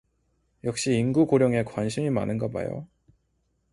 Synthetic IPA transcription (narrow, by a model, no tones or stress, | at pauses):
jʌk̚ɕ͈iːnɡukoɾjʌŋe̞kwanɕʰimimanɯnɡʌba̰jo̰